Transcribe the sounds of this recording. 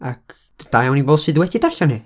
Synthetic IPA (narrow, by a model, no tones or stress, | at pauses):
ak | d̥ajawniboːd̥sɨðwɛdidaɬɔne